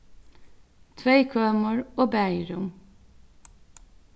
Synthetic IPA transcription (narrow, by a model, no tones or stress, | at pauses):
t̪ʰʋeɪkʰøːməɹoːbæɪɾʊm